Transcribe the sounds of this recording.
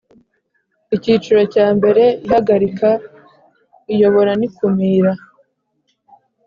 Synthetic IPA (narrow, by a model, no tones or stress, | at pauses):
iciːt͡ʃuɾo̞caːmbe̞ɾe̞ihaɡaɾika | ijo̞βo̞ɾanikumiːɾa